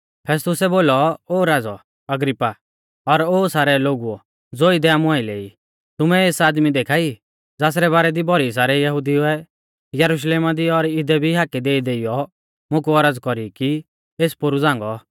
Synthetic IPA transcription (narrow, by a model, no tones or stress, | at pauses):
pʰɛːs̬t̪ʊsɛboːlɔoːɾaːd͡zɔ | ɐɡɾipːa | ɔɾoːsaːɾɛloːɡuɔ | d͡zoːɪd̪ɛaːmũaːilḛːi | t̪ʊmɛeːsaːd̪mid̪eːkʰaːi | d͡zaːs̬ɾɛβaːɾɛd̪ibʱɔɾis̬aːɾɛjɐɦʊd̪iuɛ | jɐɾuʃ̬leːmad̪iɔɾɪd̪ɛbʱiɦaːkid̪eːid̪eːijɔ | mʊ̃k̬uɔɾəd͡zkɔɾiki | eːspʊɾud͡zãːŋɡɔ